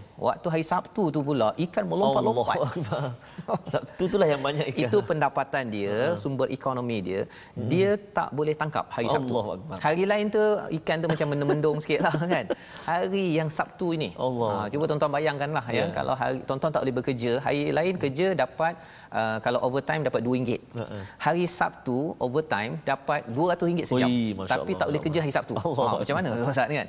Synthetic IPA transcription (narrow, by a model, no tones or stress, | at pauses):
wa̰ʔ̚t̪uɦaɾisap̚t̪ut̪upulaʔʔikanməlompaʔlomaakba | sap̚t̪ut̪ulahjaŋbaɲakiiupəndapat̪andiəsumbərʔikonõmĩdiə | diət̪a̰ʔbolɛht̪aŋka̰p̚haɾisat̪ua̰k̚bahaɾilaɪnt̪uikant̪umat͡ʃamːə̃nəmə̃ndɔŋsə̥kiʔlahkan | haɾijaŋsap̚t̪uiniət͡ʃubət̪ɔnt̪uanbajaŋkanlahjəka̰lʔa̰wɦa̰ɾit̪ɔnt̪ɔnt̪aʔolehbəkərd͡ʒəɦa̰ɾilaɪnkərd͡ʒədapat̪̚ | ʔəkalawʔovət̪ajmdapat̪̚duəiŋɡɪt̪̚haɾisa̰p̚t̪uovət̪ã̰jmdapat̪̚duəɾat̪ʊsiŋɡɪt̪̚səd͡ʒamat̪apitp̪aʔolɪhkəd͡ʒəɦaɾisap̚t̪uamat͡ʃamanãasaaʔ̪ka̰n